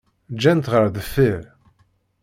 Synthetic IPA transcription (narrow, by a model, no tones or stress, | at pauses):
d͡ʒːænt̪ʁəɾðəfːiɾ